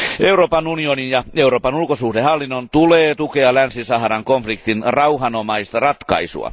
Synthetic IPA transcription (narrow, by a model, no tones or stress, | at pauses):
euɾoːpɑnunioninjɑeuɾoːpɑnulkosuhdehɑlːinːont̪uleːt̪ukeɑlænsisɑhrɑŋkoɱflikt̪inrɑuɦɑnomɑist̪ɑrɑt̪kɑ̰isṵɑ̰